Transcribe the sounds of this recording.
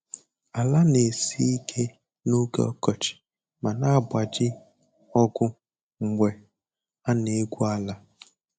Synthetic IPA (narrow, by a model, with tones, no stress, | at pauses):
a˨la˦ne˨si˦i˦kʰe˦ | no˦kḛ˦ɔ̰˦kɔ˨t͡ʃɪ̥˨ | ma˨na˦˨bʷa˨d͡ʒɪ˦ | ɔ˦ɡʊ˦ | ŋ͡m̩˨ŋʷe˨ | a˦ne˨˦ɡʷu˦a˦la˦